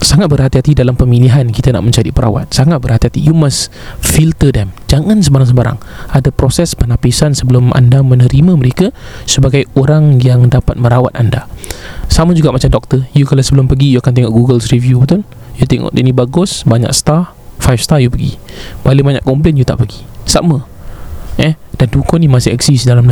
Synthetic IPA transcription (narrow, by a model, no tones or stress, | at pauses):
saŋat̪̚bəɾɦat̪iɦat̪idalampəmiliɦankit̪ana̰ʔmə̃ɲt͡ʃadḭpəɾa̰wa̰t̪̚saŋat̪̚bəɾɦat̪iɦat̪ijumas | filt̪ədɛmd͡ʒaŋãnsəbaɾaŋs̬əbaɾa̰ŋadapɾosɛspənapisansəbəlʊmʔa̰ndamənəɾimãməɾeka | səbaɡajoɾaŋjaŋdapat̪̚mə̃ɾawa̰t̪̚anda̰saməd͡ʒuɡaʔmat͡ʃamdɔk̚t̪əjukalawsəbəlʊmpəɡijuakant̪eŋɔʔɡuɡəlsɾivjubət̪ʊn | jut̪eŋɔ̰ʔdɛ̰ʔnibaɡʊsbaɲa̰ksə̥t̪a | fajfst̪ajupəɡḭbalebaɲa̰ʔkɔmplenjut̪a̰ʔpəɡisa̰mə | ʔɛd̥andukɔnimasiɛ̰ksisdalamna